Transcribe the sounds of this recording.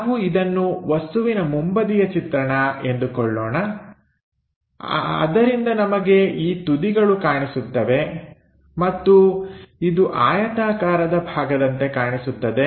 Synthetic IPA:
ʋuid̪ɐnːuʋɐst̪uʋinɐmumbɐd̪ijɐt͡ʃit̪ɾɐɳɐe̞nd̪ukɔɭːɔːnɐ | ɐ̰d̪ɐɾind̪ɐnɐmɐɡe̞iːt̪ud̪iɡɐɭukaːɳisut̪ːɐʋe̞ | mɐt̪ːuid̪uʔaːjɐt̪aːkaːɾɐd̪ɐbʱaːɡɐd̪ɐnt̪e̞kaːɳisut̪ːɐd̪e̞

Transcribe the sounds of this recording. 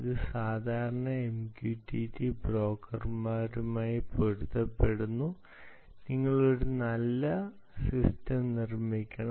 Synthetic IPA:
iðɨsaːd̪ʱaːɾɐɳɐemkjuːtːitːibro̞ːkːɐrmaːɾumaːjipoɽut̪ːɐpːe̞ɽunːu | niŋːɐɭoɽenɐlːɐ | sistɐmnirmikʲːɐɳɐ

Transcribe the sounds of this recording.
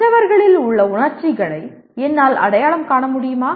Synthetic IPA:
ɐʋɐɾɣɐɭɪlʊɭːɐʊɳɐɾt͡ʃɪɣɐɭɐɪ | ɛnːaːlɐ̰ɽɐjaːɭɐmkaːɳɐmʊɽɪjɯmaː

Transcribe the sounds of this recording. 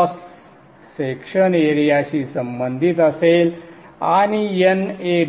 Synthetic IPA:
sː | ekʂəneɾijaɕiːsəmbənd̪ʱit̪əsel | aɽ̃ijene

